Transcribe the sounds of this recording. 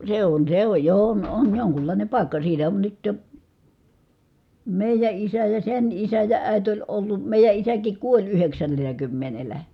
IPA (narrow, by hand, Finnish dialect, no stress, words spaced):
se on se oj jo on on joŋkulːɑˑinem pɑˑi̯kːɑ siːtæ on nyt jo meˑijæ isæ jɑ sen isæ jɑ æˑi̯t olʲ olːu meˑijæ isækik kuolʲ yheksænːelˑæ kymːenelæ